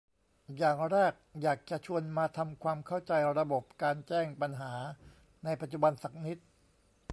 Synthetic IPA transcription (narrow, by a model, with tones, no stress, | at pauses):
jaː˨˩ŋɾɛː˥˩k̚jaː˨˩k̚t͡ɕa˨˩ʔt͡ɕʰu˧ənmaː˧t̪ʰa˧mkʰwaː˧mkʰa˥˩wt͡ɕa˧jɾa˧bo˨˩p̚kaː˧nt͡ɕɛː˥˩ŋpa˧nɦaː˩˦ | na˧jpa˨˩t̪̚t͡ɕu˨˩ba˧nsa˨˩k̚ni˦˥t̪̚